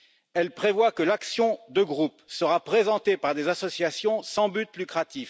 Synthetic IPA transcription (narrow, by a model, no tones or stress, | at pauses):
ɛlpχevwakəlaksjɔ̃d̪əɡʁupsəʁapχezɑ̃t̪epaʁd̪ezasɔsjasjɔ̃sɑ̃byt̪lykχat̪if